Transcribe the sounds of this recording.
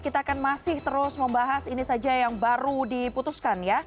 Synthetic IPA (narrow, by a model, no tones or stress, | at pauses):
kit̪aːkanmasɪht̪əɾʊsməmbaɦasinisad͡ʒajaŋbaɾudiput̪uskanja